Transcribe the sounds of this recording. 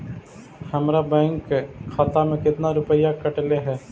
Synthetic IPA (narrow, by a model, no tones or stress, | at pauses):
həmɾabɛ̃ːŋkʰːaːt̪amẽkɪt̪naɾʊpəjakəʈleɦɛː